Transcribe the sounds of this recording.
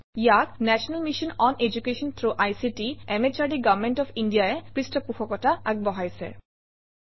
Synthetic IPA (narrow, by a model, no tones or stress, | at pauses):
ijaknɛsɔnalmiʃɔnɔned͡ʑukeʃɔnt̪ʰɹuʔajsitiɛmet͡ʃaɹɖiɡavmɛntɔpʰindijaɛkɹistɔpuxɔkɔtaaɡ̚bɔɦajsɛ̰